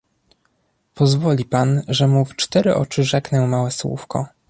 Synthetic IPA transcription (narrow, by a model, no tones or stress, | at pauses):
pɔzvɔlʲipanʐɛmuft͡ʂt̪ɛɾɘʔɔ̰t͡ʂɘʐɛknɛwmawɛswṵfkɔ̰